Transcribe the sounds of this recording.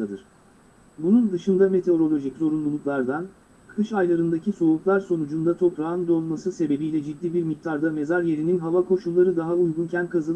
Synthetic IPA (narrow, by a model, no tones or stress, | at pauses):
ad̪ɯɾ̥ | bunund̪ɯʃɯnd̪ame̞t̪ʰe̞o̞ɾo̞lʲo̞ʒiczo̞ɾunlˠulˠuklˠaɾd̪an | kʰɯʃajlˠaɾɯnd̪acʰiso̞uklˠaɾso̞nud͡ʒund̪at̪ʰo̞pɾand̪o̞lˠmasɯse̞be̞bijlʲɛd͡ʒid̪ːiːbiɾmik̚t̪ʰaɾd̪ame̞zaɾje̞ɾininɦavakʰo̞ʃulˠːaɾɯd̪aɦaujɡuncʰænkʰazɯlˠ